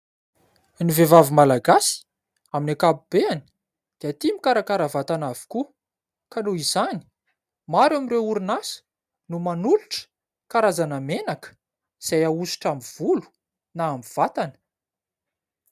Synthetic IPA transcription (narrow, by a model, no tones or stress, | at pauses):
nivevavimalaɡasi̥ | aminakabubeani̥ | d̪̥eat̪imikaɾakaɾavat̪anavi̥ku | kanoizani̥ | maɾamiɾeuɾinasə̥ | numanuluʈ͡ʂə̥ | kaɾazanamenakə̥ | z̥ajausu̥ʈ͡ʂamiv̥ulu̥ | naːmiv̥at̪anə̥